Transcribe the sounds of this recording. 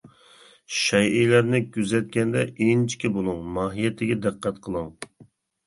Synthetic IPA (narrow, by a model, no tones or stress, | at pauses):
ʃɛjilæɾnɪɡʲyzɛt̪̚kʲɛnd̪ɛʔent͡ʃʰi̥kʲʰibolˠɨŋmɑːɦijɛt̪ʰɪɡʲɛd̪ɨqʰːɛt̪qʰəlˠɨŋ